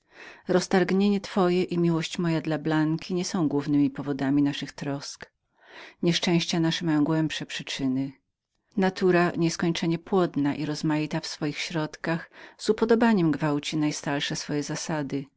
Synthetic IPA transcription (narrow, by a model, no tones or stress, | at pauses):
ɾɔst̪aɾɡɲeɲɛt̪fɔjɛʔimʲiwɔɕt͡ɕmɔjad̪lablaŋkʲʰiɲɛsɔ̃w̃ɡwuvnɘmʲipɔvɔd̪amʲinaʂɨxt̪ɾɔsk | ɲɛʂt͡ʂɛ̃w̃ɕt͡ɕanaʂɛmajɔ̃w̃ɡwɛmpʂɛpʂɘt͡ʂɘnɘ | nat̪uɾaɲɛskɔɲt͡ʂɛɲɛpwɔd̪naʔiɾɔzmajit̪afsfɔjixɕɾɔt̪kaxz̥upɔd̪ɔbaɲɛmɡvawt͡ɕinajst̪aɾʂɛsfɔjɛzasad̪ɘ